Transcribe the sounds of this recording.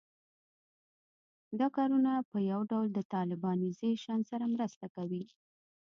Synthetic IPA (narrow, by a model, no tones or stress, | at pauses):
d̪ɑkɑɾunapəjawɖawld̪ət̪ɑlɪbɑnizeʃɑnsaɾamɾəst̪akawi